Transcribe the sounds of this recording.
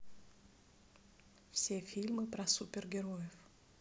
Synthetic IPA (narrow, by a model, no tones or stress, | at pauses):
fsʲefʲilʲmɨpɾɐsupʲɪrɡʲɪɾojɪf